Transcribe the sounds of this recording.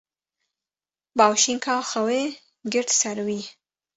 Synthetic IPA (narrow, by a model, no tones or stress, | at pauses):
bɑwʃiŋkʰɑxawe | ɡɪɾʈ̪saɾwi